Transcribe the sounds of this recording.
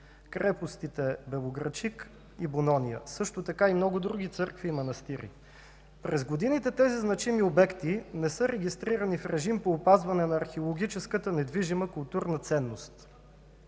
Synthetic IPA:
kɾɛpost̪it̪ɛbɛlˠoɡɾɐt͡ʃik | ibonɔnijə̰sɤʃt̪ot̪ɐkaimnɔɡʊd̪ɾuɡʲit̪sɤɾkviːmɐnɐst̪iɾḭ | pɾɛzɡod̪init̪ɛt̪ɛziznɐt͡ʃimiobɛkt̪inɛsɤɾɛɡʲist̪ɾiɾənifɾɛʒimpoːpazvɐnɛnɐːɾxɛolˠoɡit͡ʃɛskət̪ənɛd̪viʒiməkʊlˠt̪uɾnət̪sɛnːost̪

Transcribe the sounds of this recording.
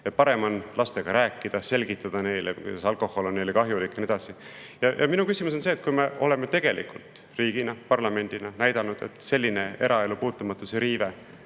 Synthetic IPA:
et̪̚pɑɾe̞monlɑst̪e̞ɡ̥ɑɾæːkːˑid̪̥ɑse̞lʲɡit̪ːˑɑd̪̥ɑne̞jlekṵd̪ɑsɑlko̞ho̞lonːejlekɑɦjulikˑːne̞d̪ɑsi | jɑjʔɑ̰minukysimus̬onseːt̪̚kujme̞ʔo̞̰le̞met̪e̞ɡ̥e̞lʔḭkult̪ | riːɡ̥inɑpɑrlɑme̞nʲd̪̥inɑnæjd̪̥ɑnud̪̥e̞̰t̪ˑse̞lʲːine̞e̞̰ɾʔɑe̞lupuːt̪ːˑumɑt̪ːˑuseɾiːve

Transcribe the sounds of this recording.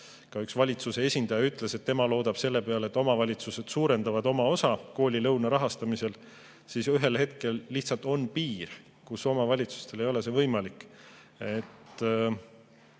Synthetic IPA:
kɑyksvɑlʲit̪suse̞e̞sʲind̪ɑjɑyt̪ːˑle̞se̞t̪ːemɑlo̞ːd̪̥ɑb̥se̞lːe̞pe̞ɑlet̪ːˑo̞mɑvɑlʲit̪suse̞d̪̥suːɾe̞nd̪ɑvɑd̪̥o̞mɑo̞sɑko̞ːlʲilɤwnɑɾɑɦɑst̪ɑmise̞l | sisyɦe̞lhe̞t̪ke̞lːiht̪sɑlt̪ˑo̞npiːr | kuso̞mɑvɑlʲit̪su̥st̪e̞le̞jo̞le̞se̞vɤjmɑlikːˑ | et̪ː

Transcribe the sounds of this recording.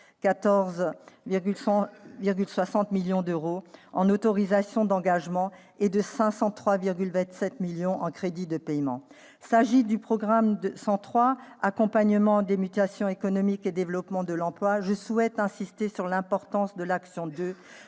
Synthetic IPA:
kat̪ɔʁzɡʲl̃viʁɡʲylswasɑ̃t̪miljɔ̃d̪øʁoɑ̃not̪ɔʁizasjɔ̃d̪ɑ̃ɡaʒmɑ̃ | ed̪əsɛ̃sɑ̃t̪χwaviʁɡʲylvɛ̃t̪sɛt̪miljɔ̃ʔɑ̃kχed̪id̪əpɛjmɑ̰̃ | saʒid̪ypχɔɡʁamd̪əsɑ̃t̪χwaakɔ̃paɲəmɑ̃d̪emyt̪asjɔ̃ekɔnɔmiked̪evlɔpmɑ̃d̪əlɑ̃plwaʒəsuɛt̪ɛ̃sist̪esyʁlɛ̃pɔʁt̪ɑ̃sd̪əlaksjɔ̃d̪ø

